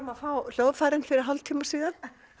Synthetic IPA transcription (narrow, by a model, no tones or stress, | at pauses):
maðfaːwl̥owvfaːjɾɪnfɪɾɪɾ̥ɦɔlt̪ʰiːmasiːðan̥